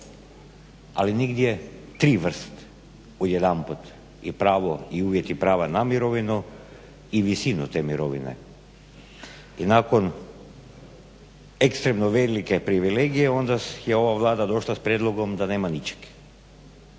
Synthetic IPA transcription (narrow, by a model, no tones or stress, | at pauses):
a̰liniɡd̪jet̪ɾiːʋr̩st̪ | od̪jed̪amput̪ | ipɾaːʋoiuːʋjet̪ipɾaːʋanamiɾo̞ʋinu | iʋisinut̪emiɾoʋḭnḛ | inako̞n | ekst̪ɾemnoʋelikepɾiʋileɡijeo̞nd̪ajeo̞ʋaʋlˠaːd̪ad̪o̞ʃlˠaspɾjed̪lˠo̞ɡomd̪aneːmanit͡ʃe̥k